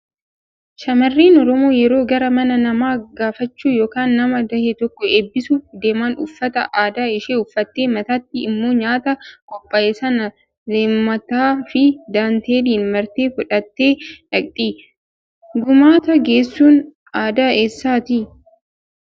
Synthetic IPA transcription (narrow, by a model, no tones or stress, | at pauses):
ʃɐmɐrːiːnɔɾɔmo̞ːjɛɾo̞ːɡɐɾɐmɐnɐnɐmaːɡaːfɐt͡ʃːuːjoːkaːnːɐmɐd̪ɐhet̪ɔkːɔe̞ːbːɪsuːfd̪e̞ːmaːnʊ̰fːɐt̪ɐ̰ʔaːd̪aːɪʃeːʊfːɐt̪ːe̞ːmɐt̪ɐt̪ːɪɪmːoːɲaːt̪ɐkʼɔpʼːɐʔeːsɐnɐ | leːmːɐt̪aːfɪd̪aːnt̪eːd̪iːnmɐɾt̪eːfʊᶑɐt̪ːe̞ːʔɐkʼt̪ʼiː | ɡʊmaːt̪ɐɡe̞ːsːuːn | aːd̪aːʔeːsːaːt̪i